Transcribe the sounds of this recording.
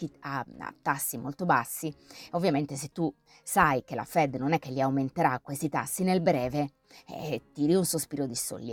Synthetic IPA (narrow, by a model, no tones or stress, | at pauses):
ia̰a̰t̪ːasːimolt̪obasːiovːjament̪es̬et̪ːu | sajkela̰fɛd̪ːnonɛkːelːiawment̪eɾakːwest̪it̪a̰sːinelbɾɛːvḛ | t̪ːiːɾiunsospiːɾod̪iso̰lːi